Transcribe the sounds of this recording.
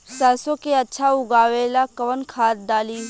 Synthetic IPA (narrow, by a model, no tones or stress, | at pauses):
sɛːsõkeɐtːʃʰaʊɡaːʋeːlakɐʋənkʰaːt̪̚d̪aːliː